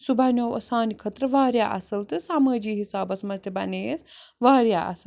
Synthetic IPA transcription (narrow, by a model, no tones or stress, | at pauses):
subʱanʲoːʋɐ̰saːnikʰɐt̪ɾɐʋaːɾʲjaːʔɐ̰sɐlt̪ɨsaːmaːd͡ʒiːɦisaːbɐsmɐt̪ʲɐbɐneːsʋaːɾja̰ʔɐ̰sɐ